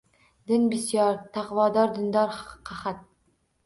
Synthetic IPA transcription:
d̪ɘnbisjɑɾt̪ɑqvɑːd̪ɑɾd̪ə̆nd̪ɑɾqʰɑχat̪̚

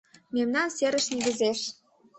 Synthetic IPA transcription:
memnɑnseɾə̆ʃneɣə̆zeʃ

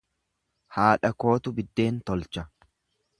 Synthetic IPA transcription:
haːᶑɐko̞ːt̪ʊbɪd̪ːe̞ːnt̪ɔlt͡ʃɐ

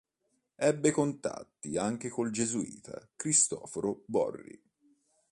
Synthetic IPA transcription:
ɛbːekont̪a̰t̪ːiaŋk̟ekold͡ʒezuḭːt̪ʰa̰kɾist̪ɔ̰ːfoɾobɔ̰rːḭ

